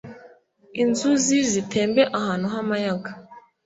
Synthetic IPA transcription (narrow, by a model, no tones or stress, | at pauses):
inzuzizitʰe̞ːmbe̞ʔahaːn̥huɦamajaɡa